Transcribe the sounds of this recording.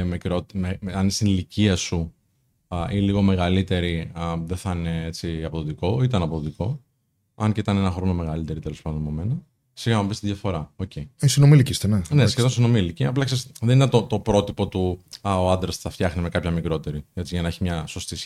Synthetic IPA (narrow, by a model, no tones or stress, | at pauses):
mikɾot̪meɐnist̪iniliciɐsu | iliɣo̞me̞ɣɐlit̪e̞ɾiðeθɐneet͡siɐpoðot̪iko̞it̪ɐnɐpoðot̪iko̞ | ɐnceit̪ɐne̞nɐxɾo̞no̞me̞ɣɐlit̪e̞ɾit̪elospɐnd̪omomenɐ | siɣɐmɐbist̪iðʝɐfo̞ɾɐoceisinomilicist̪eneneskeðonsino̞miliciɐplɐksesðeninet̪o̞t̪o̞pɾo̞t̪ipo̞t̪uɐoɐnd̪ɾɐsθɐft̪çɐxneme̞kɐpçɐmikɾo̞t̪e̞ɾiet͡siʝɐnɐeçimɲɐso̞st̪is